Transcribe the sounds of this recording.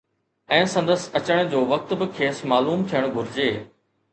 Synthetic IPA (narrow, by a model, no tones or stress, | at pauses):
ɛ̃ːsɐ̃nd̪əsɐt͡ɕəɽ̃d͡ʑoːʋɐk̚t̪bɪkʰeːsmaːluːmt̪ʰijəɽ̃ɡʱʊɾɪd͡ʑeː